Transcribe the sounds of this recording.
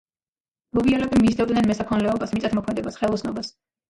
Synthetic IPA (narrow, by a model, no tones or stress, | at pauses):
mɔbialɛbimːisd̪ɛd̪nɛnmɛsakʰɔnlɛɔbasmit̪sʼat̪ʰmɔkʰmɛd̪ɛbasχɛlˠɔsʰnɔbas